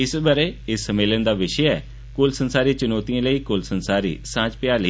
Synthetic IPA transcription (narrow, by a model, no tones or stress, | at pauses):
ɪsbəɾeːɪsːəmeːlənd̪aːʋɪʃəɛ̰ː | kʊlsənsaːɾiːt͡ʃənɔːt̪ijãːləiːkʊlsənsaːɾḭːsãːt͡ʃpɪjaːlə